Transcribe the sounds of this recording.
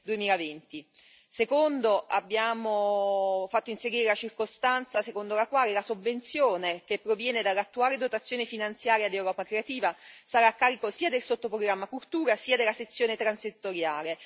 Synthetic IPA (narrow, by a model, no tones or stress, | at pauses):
d̪uemiːlavent̪i | sekond̪oʔabːjaːmo | fat̪ːoinseɾiːɾelat͡ʃirkost̪ant̪sasekond̪olakwaːlelasovːent̪sjoːnekepːɾovjɛːned̪alːat̪ːuaːled̪ot̪at̪sːjoːnefinant̪sjaːɾjad̪ewɾɔːpakɾeat̪iːvasaɾaːkːaːɾikosiːad̪elsot̪ːopɾoɡɾamːakult̪uːɾasiːad̪elːaset̪sːjoːnet̪ɾanset̪ːoɾjaːle